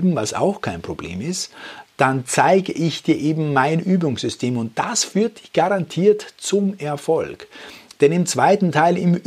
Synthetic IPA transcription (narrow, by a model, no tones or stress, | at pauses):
bm̩vasa̰ʊxkʰaɪnpʁ̥oblḛːmɪstd̥ant͡saɪɡəʔɪçd̥iːɐʔeːbm̩maɪnʔyːbʊŋszʏstʰeːmʊnt̚d̥asfyːɐt̚d̥ɪçɡ̥aʁantʰiːɐtt͡sʊmɛɐfɔlkd̥ɛnɪmt͡sv̥aɪtn̩tʰaɪlɪm